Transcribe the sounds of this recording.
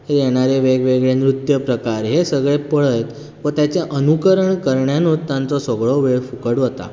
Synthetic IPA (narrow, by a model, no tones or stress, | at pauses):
ejeɽ̃aɾeʋeɡʋeɡɭenɾut̪jəpɾəkaɾɦesəɡɭepəɭəjt̪ | ʋət̪jat͡ɕjaʔənukəɾəɳkəɾɳjanũːt̪ːjãnt͡sɔsɔɡɭɔʋeɭfukəɽʋot̪a̰